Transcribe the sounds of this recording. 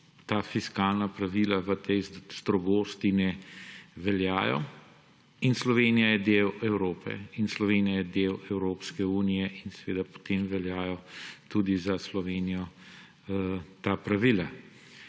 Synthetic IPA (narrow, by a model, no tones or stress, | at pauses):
t̪aːfiskaːlnapɾaʋilaʋət̪ɛjz̥d̪ɾɔɡoːst̪inɛ | ʋɛlja̰ːjɔ̰ | inslɔʋeːnijajɛd̪eːwɛwɾoːpʰɛ̰inslɔʋeːnijajɛd̪eːwɛwɾoːpskɛuːnijɛʔinsɛʋeːd̪apɔ̥t̪emʋɛljaːjɔt̪uːd̪izaslɔʋeːnijɔ | t̪apɾaʋila